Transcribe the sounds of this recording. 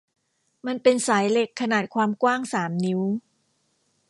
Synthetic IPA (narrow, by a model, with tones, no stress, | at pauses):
ma˧npe˧nsaː˩˦jle˨˩kʰːa˧naː˨˩t̪̚kʰwaː˧mkwaː˥˩ŋsaː˩˦mni˦˥w